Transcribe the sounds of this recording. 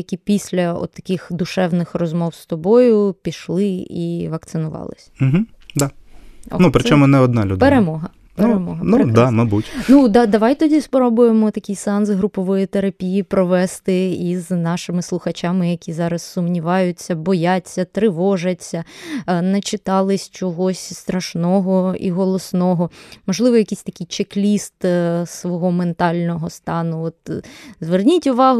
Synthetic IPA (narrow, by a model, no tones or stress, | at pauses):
jɐkʲipʲisʲlʲɐɔ̰t̪ːɐ̥kʲɪxd̪ʊʃɛwnɪxrɔzmɔwst̪ɔbɔjʊpʲiʃlˠɪiʋɐkt̪sɪnʊʋɑ̰lˠɪ̰sʲm̩ɦm̩ | d̪aɔ̰nupɾɪt͡ʃɔmʊnɛɔd̪nɑlʲṵd̪peɾemɔɦɐ | ppeɾemɔɦɐnɾkd̪amɐbutʲnud̪ɑd̪ɐʋɑjt̪ɔdʲispɾɔbʊjemɔt̪ɐkʲijsɑnzɦɾʊpɔʋɔjit̪eɾɐpʲijipɾɔʋɛst̪ɪiznɑʃɪmɪslˠʊxɐt͡ʃamɪjɐkʲizɑɾɐsːʊmnʲiʋɑjʊt͡sʲːɐbɔjat͡sʲːɐt̪ɾɪʋɔʒɐt͡sʲːɐnɐt͡ʃɪt̪ɑlˠɪsʲt͡ʃɔɦɔsʲst̪ɾɐʃnɔɦɔḭɦɔlˠɔsnɔɦɔmɔʒlˠɪʋɔjɐkʲisʲt̪ɐkʲijt͡ʃeklʲist̪sʋɔɦɔment̪ɑlʲnɔɦɔst̪ɑnʊɔt̪zʋernʲitʲʊʋɑɦʊ